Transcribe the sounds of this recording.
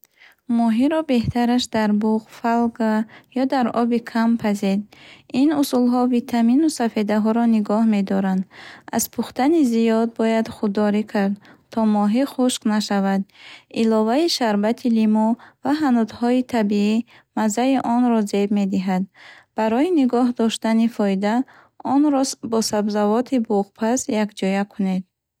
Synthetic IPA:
mɔɦiɾɔbe̞ht̪ʰaɾaʃd̪aɾbuʁfalɡajɔd̪aɾɔbikʰampʰazed̪inusulɦɔvit̪ʰaminusafed̪aɦɔɾɔniɡɔhme̞d̪ɔɾand̪a̰zpʰuχt̪anizijɔd̪̚bɔjad̪χud̪ːɔɾikʰaɾd̪t̪ʰɔmɔɦiχuʃqnaʃavad̪ilɔvaiʃaɾbat̪ʰilimɔvaɦanud̪hɔit̪ʰabii | mazaiʔɔnɾɔzebme̞d̪iɦad̪b̥aɾɔiniɡɔɦd̪ɔʃt̪anifɔid̪a | ɔnɾɔbɔsabzavɔt̪ʰibuʁpʰasjakd͡ʒɔjakʰune̞d̪̚

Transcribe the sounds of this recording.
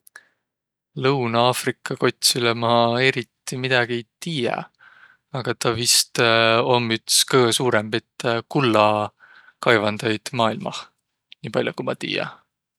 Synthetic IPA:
lɤwnɑɑːfrikːˑɑko̞t̪ʲsilemɑe̞ɾit̪ːˑimid̪̥ɑɡ̥ie̞jt̪iːjḛ | ɑɡ̥ɑt̪ɑvist̪omyt̪skɤːɡesuːɾembet̪ːˑkulːɑ | kɑjvɑnd̪̥ɑjd̪̥mɑːilmɑ̰h | niːpɑlʲjokumɑt̪ḭːjɑ̰

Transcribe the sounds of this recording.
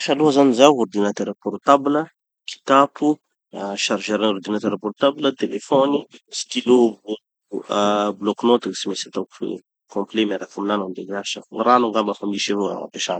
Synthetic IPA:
ʃaluɦazanizaword̪inat̪ɛɾapɔɾt̪ablə | kʰi̥t̪apu | ʃaɾʒeɾanɔrd̪inat̪ɛɾapɔɾt̪ablət̪elefɔnisi̥kilobu | blɔknot̪aɡsimesat̪aku̥fḛ | kɔ̃mplemaɾakuminanand̪eɡɾaʃəŋranuŋɡambafamiʃivoa̰a̰peʃa̰n

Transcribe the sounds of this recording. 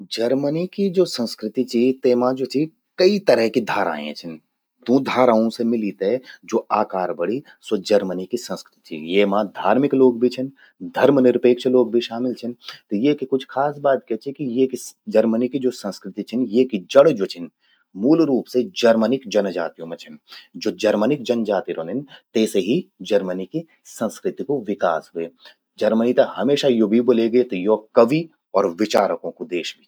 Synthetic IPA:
d͡ʒəɾmənikid͡ʒoːsə̃nskɾɪt̪it͡ʃʰit̪eːmãd͡ʒoːt͡ʃʰi | kɐit̪əɾəɦkid̪ʱaːɾa̰ːḛ̃t͡ʃʰən | d̪õːd̪ʱaːɾaːõsemɪlit̪ed͡ʒoːaːkaːɾbəɽi | sɐd͡ʒɐɾmənikisə̃nskɾɪt̪ʰḭjemãd̪ʱaːɾmɪkloːɡ̚bʱit͡ʃʰən | d̪ʱɐɾmənɪɾpeːkt͡ʃʰloːɡ̚bʱiʃaːmɪlt͡ʃʰənt̪ojekikʊt͡ʃʰkʰaːsbaːt̪̚kɛt͡ʃʰikijekid͡ʒɐɾmənikid͡ʒoːsə̃nskɾɪt̪it͡ʃʰɪnjekid͡ʒəɽd͡ʒoːt͡ʃʰən | muːlɾuːpsed͡ʒɐɾmənɪkd͡ʒɐnd͡ʒa̰ːt̪ijõmẽt͡ʃʰɐnd͡ʒoːd͡ʒɐɾmənɪk̚d͡ʒɐnd͡ʒaːt̪iɾõːnɪnt̪ɛːseɦid͡ʒɐɾməniki | sə̃nskɾɪt̪ikoʋɪka̰ːsɦʊḛː | d͡ʒɐɾmənit̪ɐkhɦɐmeːʃajoːbʱiboːleɡəet̪ojoːkɐʋi | ɔːɾʋɪt͡ʃaːɾəkõkod̪eːʃbʱi

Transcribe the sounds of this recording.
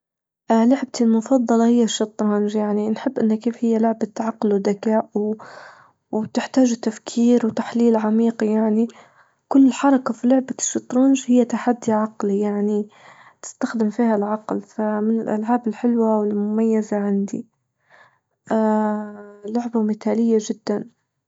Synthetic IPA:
ʔlʊʕb̚t̪ilmʊfɑðˤːɑlɑhɪjːaʃːɨt̪ˤɾˤɑnʒjaʕninħɪbːʔɪnːakːeːfhɪjːalʊʕbat̪ːʕaqːlwd̪akaːʔw | wt̪ɪħt̪aːʒt̪afkʰiːɾwt̪aħliːlʕamiːqijaʕni | kʊlːɪlħɑɾˤɑkafilʊʕbaʃːɑt̪ˤɾˤɑːnʒhɪjːat̪aħad̪ːiʕɑqlijaʕni | t̪ɪ̥st̪axd̪ɪmfiːhalʕɑqlfamɪnɪlʔa̰lʕaːbɪlħɪlwawɪlmʊmajːazaʕɪnd̪ḭ | ʔ | lʊʕbamɪt̪aːlɪjːaʒɪd̪ːan

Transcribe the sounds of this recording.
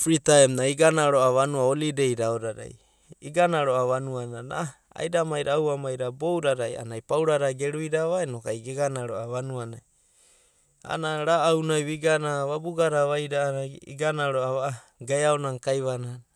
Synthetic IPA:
pɾitaemnaiɡanaɾoaβanuaolidejɾaoɾaɾa̰j | iɡanaɾoaβanuanana̰ | a̰jɾamajɾawamajɾabowɾaɾaja̰najpawɾaɾaɡeɾuiɾaβaenokajɡeɡanaɾoaβanuanaj | a̰naɾaːwnajβiɡanaβabuɡaɾaβajɾaaḭɡanaɾoaβaa | ɡajaonaŋkajβanana

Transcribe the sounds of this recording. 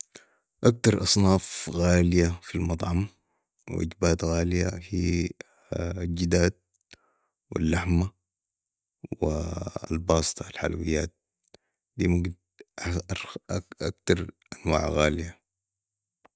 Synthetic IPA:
ʔak̚t̪ɑɾˤʔɑsˤnɑːfɣaːlijafilmɑt̪ˤʕɑm | wḭʔḭd͡ʒbaːt̪ɣaːlija̰hiː | d͡ʒid̪aːd̪̚ | wḭlːaħma | wia̰lbɑːsˤɨ̥t̪ˤɑalħa̰la̰wijːaːt̪̚ | d̪iːmaɡd̪ | akt̪ɑɾˤʔanwa̰ːʕɣaːlija

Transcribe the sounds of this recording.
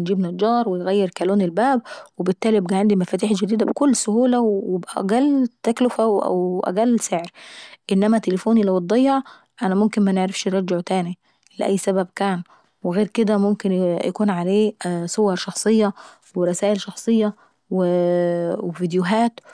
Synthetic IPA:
nd͡ʒiːbnɑd͡ʒɑːɾˤwejɣæjːeɾkæloːnelbæːb̚webɪt̪ːæːlibɡæʕand̪imæfæːt̪̬iːħd͡ʒæd̪iːd̪æbkʊlːsʊhuːlæwwebʔæʔæ̰ɡælːt̪æklʊfæwʔæ̰wʔæ̰ɡælːseʕɾʔenːæmæt̪elefoːnilæwd̪ˤɑjːɑʕ | ʔænæmomkenmæneʕɾefʃɾˤɑˤd͡ʒeʕt̪æːni | leʔæjːsæbæbkæːn | weɣeːɾked̪æmomkenjækuːnʕaleːsˤowɑɾˤʃɑxsˤejːɑ | weɾˤɑsæːʔelʃɑxsˤejːɑ | we | evid̪joɦæːt̪

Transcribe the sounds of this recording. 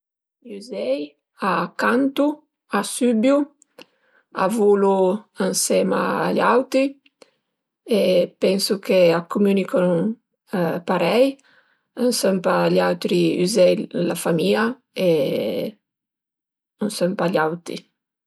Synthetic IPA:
ʎuzɛj | akːant̪u | asybju | a̰vuluansɛːma̰ːʎawt̪ɾi | epɛnsukeakʰːumynikʰɔn | paɾɛj | ənsɛmpaʎawt̪ɾiṵzɛjlafamiːa | e | ənsɛmpaʎawt̪ɾḭ

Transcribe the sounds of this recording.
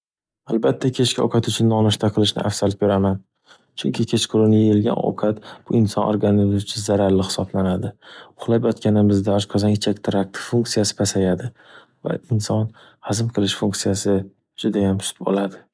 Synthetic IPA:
alˠbat̪ʰːakʲʰe̞t͡ʃkʲɪɒ̰qʰɑt̪ʊt͡ʃʰʊnːɒnɪʃt̪ʰaqʰɨlˠɪʃnɪ̰ʔafsalɪp̚be̞ɾaman | t͡ʃʰʊŋkʲʰɪkʲʰe̞t͡ʃqʰʊɾʊnɪjejɪlɡʲa̰nɒ̰qʰɑt̪b̥ʊɪnsɒnʔo̰ɾɡanɪzmɪt͡ʃʰɪzaɾaɾlɪxhɪ̥sɒblanad̪ɪʊχlˠapɒt̪kʲanɪmɪzd̪aɒʃqʰɒzaŋɪt͡ʃʰakʲt̪ʰɾak̚t̪ʰɪ̥fuŋksijasɪ̥pʰasajad̪ɪ | va̰ɪnsɒn | hazɪmqʰɨlˠɪʃfuŋksijasɪ | d͡ʒʊd̪ajamʊ̥sɪ̥p̚bo̰lad̪ɪ

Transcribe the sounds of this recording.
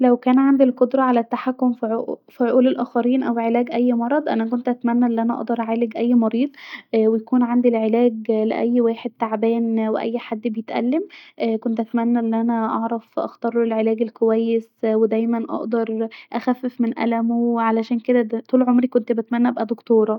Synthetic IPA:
læwkæːnʕand̪ilqod̪ɾˤɑʕalæt̪ːaħakːomfiʕoʔfiʕoʔuːlelʔæːxæɾiːnʔæwʕelæːɡʔæjːmɑɾˤɑd̪ˤʔæ̰næk̬ont̪ʔæt̪mænːæʔelːiʔænæʔɑ̰ʔd̪ɑɾˤʔaʕaːleɡʔæjːmɑɾiːd̪ˤwejækuːnʕand̪ilʕelæːɡlḛʔæ̰jːwæːħed̪̚t̪ːaʕbæːnweʔæ̰jːħad̪ːbejet̪ʔæ̰lːemʔkont̪ʔæt̪mænːæʔelːiʔænæʔɑʕɾˤɑfʔɑ̰xt̪ɑɾˤelʕelæːɡelkowæjːeswed̪æjmænʔɑ̰ʔd̪ɑɾˤʔæxæfːefmenʔæ̰læmowʕalæʃæːnked̪æt̪uːlʕomɾikont̪bæt̪mænːæʔæbʔæd̪okt̪oːɾˤɑ

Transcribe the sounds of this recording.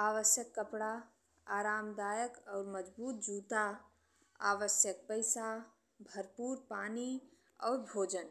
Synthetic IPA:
aʋəsjəkːəpɽa | aɾamd̪aːjəkɔʊɾməd͡ʒbuːt̪̚d͡ʒut̪a | a̰ʋəsjək̚pəɪsa | bʱəɾpuɾpani | ɔ̰ʊɾbʱoːd͡ʒən

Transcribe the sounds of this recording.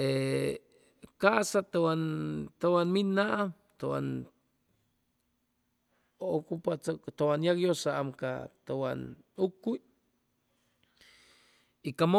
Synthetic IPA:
e | kaʔsat̪awant̪awanminaʔa | t̪owa̰n | ookupat̪owanjakjosaʔamka̰t̪awa̰nukuj | ikamo

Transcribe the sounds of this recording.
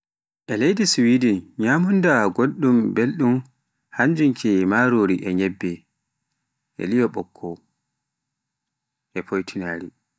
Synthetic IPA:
ʔɛlejdiswidinɲamundaɡoɗːumbelɗum | haɲd͡ʒuŋkʰɛmaɾoːɾiʔɛɲɛbːɛ | ʔɛ̰lijɔɓɔkʰːɔ | ʔɛpʰojtʰinaːɾi

